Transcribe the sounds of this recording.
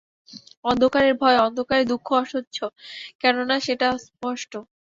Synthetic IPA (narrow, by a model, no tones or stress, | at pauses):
ɔnd̪ʱokaɾeɾbʱɔeɔnd̪ʱokaɾed̪ukʰːoɔʃotːɕʰokɛnonaʃeʈaspɔʃʈo